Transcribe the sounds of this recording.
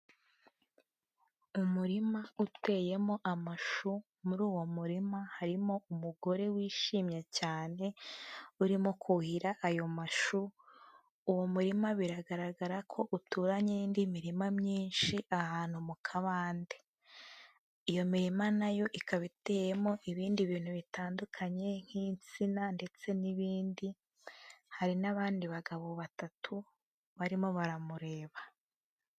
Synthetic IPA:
umuɾimaute̞je̞mo̞ʔamaʃu | muɾuːwo̞muɾimahaɾimo̞umuɡo̞ɾe̞wiːʃiːmɲecaːne̞uɾimo̞kʰuhiɾaʔajo̞maʃu | uwo̞muɾimaβiɾaɡaɾaɡaɾakʰo̞ʔutuːɾaɲendimiɾimamɲiːnʃiʔahaːn̥humukʰaβaːnde̞ | ijo̞miɾimanajo̞ʔikaβite̞jemo̞ʔiβiːndiβiːn̥huβitaːndukʰaɲe̞ŋ̥hiːnt͡sinande̞t͡se̞niβiːndi | haɾinaβaːndiβaɡaβo̞βatatʰu | βaɾimo̞βaɾamuɾe̞ːβa

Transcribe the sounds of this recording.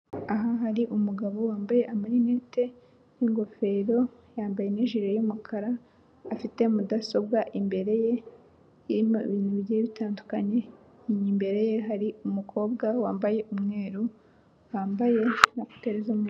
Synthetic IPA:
aɦaɦaɾiʔumuɡaβo̞waːmbaje̞ʔamaɾinete̞ | niŋɡo̞fe̞ɾo̞ | jaːmbaje̞neʒiɾajumukʰaɾaː | fite̞mudaso̞b̚ɡaʔimbe̞ɾe̞je̞ | jiɾimoḭβiːnuβiɟejeβitaːndukaɲe̞ | iɲimbe̞ɾe̞jeɦaɾiumukʰo̞ːbɡawaːmbaje̞ʔumŋe̞ːɾu | waːmbaje̞naku̥teɾezum

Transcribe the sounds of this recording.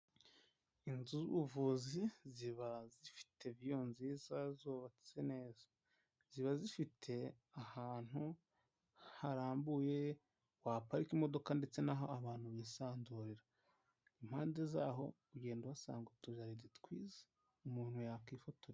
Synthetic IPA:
inzuzṵβuvuːziziβazifi̥tʰe̞vijo̞nziːzazoːβati̥zene̞ːzḁ | z̥iβazifitʰe̞ | ahaːn̥hu | haɾaːmbuje̞ | wapaɾikimo̞do̞kande̞t͡se̞naɦo̞aβaːn̥huβiːsaːnduɾiɾa | im̥haːnde̞zaːɦo̞̰ | uɟe̞ːnduwasa̰ːŋɡutuʒaɾiditkwiːze̥ | umuːn̥hujakiːfoto

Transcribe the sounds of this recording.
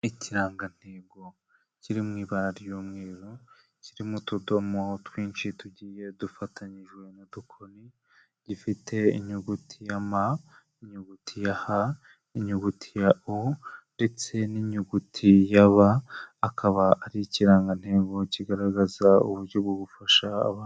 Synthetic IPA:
iciɾaːŋɡan̥he̞ːɡo̞ | ciɾimŋiːβaɾaɾjuːmŋeːɾo | ciɾimutudo̞motwiːnt͡ʃituɟiːje̞dufatʰaɲiʒwe̞nodukʰoni | ɟ̥ifitʰe̞ḭɲuɡutʰijama | iɲuɡutʰijaha | iɲuɡutʰijaʔonde̞t͡se̞niɲuɡutʰijaβaːkaβaʔaɾiciɾaːŋɡan̥he̞ːɡo̞ciɡaɾaɡazaṵβuɾɟo̞bɡoɡufaʃa̰ːβaː

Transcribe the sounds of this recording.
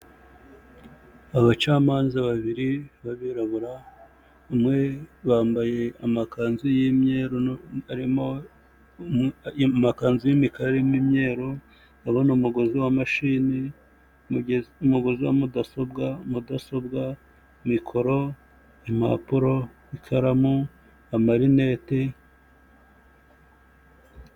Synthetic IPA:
aβat͡ʃaːmaːnzaβaβiɾiβaβiɾaβuɾaː | mŋe̞βaːmbaje̞amakaːnzujimɲeːɾoaɾimo̞ | makaːnzujimikaɾemimɲe̞ːɾo | aβonumuɡo̞ziwamaʃiːni | umuɡo̞ziwamudaso̞bɡamudaso̞bɡa | mikʰo̞ɾo̞ | ima̰puɾo̞ | ikʰaɾamu | amaɾinete

